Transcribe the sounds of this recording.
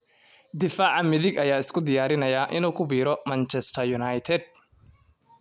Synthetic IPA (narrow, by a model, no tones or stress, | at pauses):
d̪ɪfaːʕɑmɪðɪɡɐjaːɪskʰʊd̪ɪjaːɾɪnɐjaːʔɪnuːkʰʊbiːɾɔmɐnt͡ʃʰɛst̪ʰɐjʊnɐjt̪ʰɛd̪̚